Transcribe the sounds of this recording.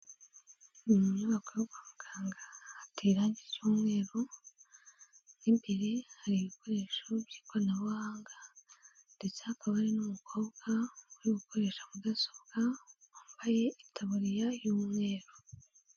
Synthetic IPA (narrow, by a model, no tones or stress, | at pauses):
omuɲuβakojoɡwaːmuɡ̥aːŋɡaːtʰeɾaːɲɟicuːmŋe̞ːɾo̞ | nimpiɾehaɾiβiko̞ɾe̞ʃo̞βikonaβuhaːŋɡa | nde̞sahakaβaɾinumukʰo̞ːβɡauɾikuko̞ɾe̞ʃamuɡaso̥βɡaomubaje̞itʰaβuɾijajuːmŋe̞ːɾo